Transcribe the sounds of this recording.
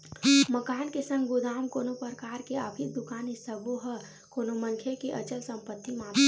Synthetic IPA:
məkaːnkesə̃ŋɡɡʊd̪aːmkoːnopəɾkaːɾkeaːpʰit̪̚d̪ʊkaːnɪsəboɦə | koːnoməŋkʰekeʔət͡ʃəlsə̃mpət̪ːimaː

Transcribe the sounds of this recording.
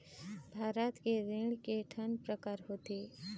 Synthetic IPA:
bʱaːɾət̪keɾeːɽkeʈʰənpɾəkaːɾɦoːt̪eː

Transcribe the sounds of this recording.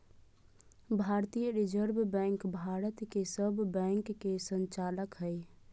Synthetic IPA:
bʱaɾt̪ijəɾid͡ʒəɾbbɛ̃ŋkbʱaɾət̪kesəbbɛ̃ŋkːesənt͡ʃaːləkɦəj

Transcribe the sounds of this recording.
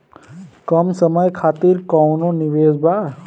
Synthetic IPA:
kəmsəməjkʰaːt̪iɾkɔːnõnɪʋeːzbaː

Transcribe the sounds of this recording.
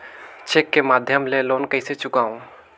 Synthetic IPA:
t͡ʃekːemaːd̪ʱjəmleloːnkəɪset͡ʃʊkaːũ

